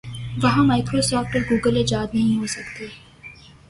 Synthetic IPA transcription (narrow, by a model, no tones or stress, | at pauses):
ʋɐɦãmaːɪkɾoːsɔːfʈpɐɾɡuːɡəled͡ʒaːd̪nɐɦĩɦoːsɐk̚t̪eː